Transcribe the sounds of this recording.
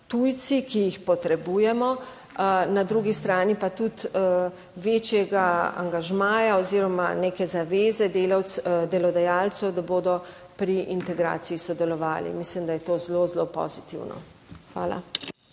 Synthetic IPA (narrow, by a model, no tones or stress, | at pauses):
t̪ujt̪sikijixpɔt̪ɾɛbuːjɛmɔ | nad̪ɾuɡist̪ɾaːnipat̪ut̪ | ʋeːt͡ʃjɛɡaa̰ŋɡaʒmaːjaɔziɾɔmanekɛzaʋeːzɛd̪elawd̪ɛlɔd̪ajaːlt̪sɛwd̪aboːd̪ɔ | pɾiʔint̪ɛɡɾa̰ːt̪sijisɔd̪ɛlɔʋaːlḭmislimd̪ajɛt̪oːzlozlopɔ̰zit̪ḭwnɔ̰ | xʋa̰ːla̰